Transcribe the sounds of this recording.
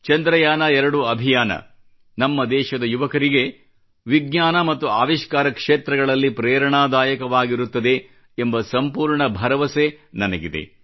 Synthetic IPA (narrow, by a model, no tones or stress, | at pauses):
t͡ʃɐnd̪ɾɐjaːnɐɛɾɐɽuɐbʱijaːnɐ̰ | nɐmːɐd̪ɛːʃɐd̪ɐjuʋɐkɐɾiɡe̞ | ʋiɡɲaːnɐmɐt̪ːuaːʋiʃkaːɾɐkʂeːt̪ɾɐɡɐɭɐlːipɾɛːɾɐɳaːd̪aːjɐkɐʋaːɡiɾut̪ːɐd̪e̞ː | mbɐsɐmpuːɾɳɐbʱɐɾɐʋɐsenɐnɐɡid̪e̞̰